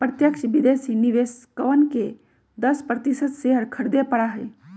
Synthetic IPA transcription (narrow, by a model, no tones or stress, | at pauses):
pɾət̪jəkʃʋid̪esiniʋeskəʋənke | d̪əspɾət̪isət̪seɦəɾkʰəɽd̪epəɽaɦə